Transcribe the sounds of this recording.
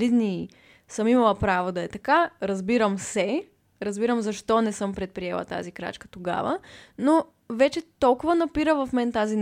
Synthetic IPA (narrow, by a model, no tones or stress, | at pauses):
id̪ni | sɤmimɐlˠəpɾavod̪ɐɛt̪ɐkaɾɐzbiɾəmsɛ | ɾɐzbiɾəmzɐʃt̪ɔnɛsɤmpɾɛt̪̚pɾiɛlˠɐ̰t̪a̰zikɾa̰t͡ʃkə̥t̪oɡa̰və̰no | vɛt͡ʃɛt̪ɔlˠkʊvənɐpiɾəvɐfmɛnt̪azin